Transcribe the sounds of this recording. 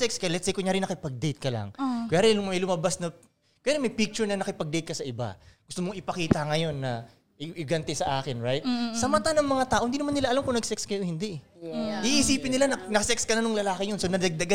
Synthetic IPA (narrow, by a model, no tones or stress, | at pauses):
ɛkskɐjlɛt̪sejkʊŋɲaːɾinɐkɪpɐɡ̚d̪ejt̪̚kɐla̰ŋkʊjaːɾɪnʊmɐjlʊmɐbasnɐ | kʊjaːɾɪmɐjpik̚t͡ʃʊɹnɐnɐkɪpɐɡ̚d̪ejt̪̚kɐsɐʔɪba̰ɡʊst̪omoŋʔɪpɐkiːt̪ɐŋɐjo̞nːɐ | ʔɪʔɪɡɐnt̪ɛsɐʔaːkɪnɹajt̪sɐmɐt̪anɐŋmɐŋat̪aːʔoɪnd̪inmanːɪlaʔɐlamkʊŋnɐɡsɛkskɐjohɪnd̪iʔ | ʔiʔiːsiːpɪnɪlanɐnɐkɐsɛkskɐnɐnʊŋlɐlaːkɪɲonsonɐd̪ɐɡ̚d̪ɐɡa